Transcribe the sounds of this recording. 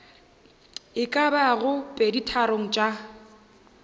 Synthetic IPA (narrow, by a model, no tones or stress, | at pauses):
ɪkʼabaɣʊpʼeditʰaɾoŋ̩t͡ʃʼa